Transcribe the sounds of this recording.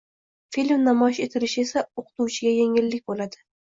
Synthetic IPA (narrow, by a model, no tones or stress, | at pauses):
filʲmnamɒjɪʃe̞t̪ʰɪɾɪʃɪe̞saoqʰɨ̥t̪ʰuwt͡ʃʰɪɡʲajeŋʲɪlːɪk̚ʲbolad̪ɪ